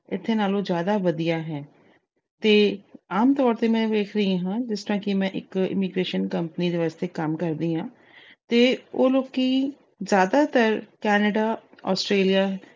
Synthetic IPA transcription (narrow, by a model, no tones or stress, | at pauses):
ɪt̪ʰːenaːlozjaːd̪aʋɐd̪ijaːɦɛː | t̪eːaːmt̪ɔːɾt̪emɛ̃deːkʰɾɐɦĩɦãːd͡ʒɪst̪əɾãːkimɛ̃ːʔɪ̰kɪ̰miɡɾeːʃənkɐ̃mpənid̪eʋaːst̪ekaːmkɐɾd̪iːɦãː | t̪eoːloːɡki | zjaːd̪at̪əɾkɛːnəɖaː | ɔ̰ːsʈɾeːlijaːɦ